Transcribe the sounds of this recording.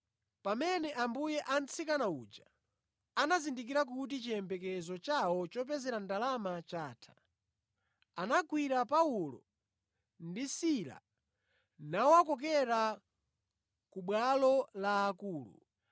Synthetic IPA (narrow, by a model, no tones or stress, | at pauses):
pamɛnɛʔambujɛʔant͡sikanaṵd͡ʒa | anazindik̬iɾak̬ut̬it͡ʃiɛmbɛkɛzɔt͡ʃawɔt͡ʃɔp̬ɛzɛɾandalamat͡ʃaːtʰḁ | anakwiɾapaulɔ̰ | ndisiɾa̰ | nawakɔk̬ɛɾa | kuɓwalɔlaːkuːlṵ